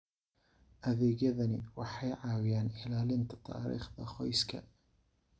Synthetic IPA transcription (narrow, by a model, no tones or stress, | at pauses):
ʔɐðiɡɐðɐnɪwɑħɑjʕaːwɪjaːnħɪlaːlɪnt̪ʰḁt̪ʰɑ̰ːɾḭːxðɐxɔjskʰɐ̰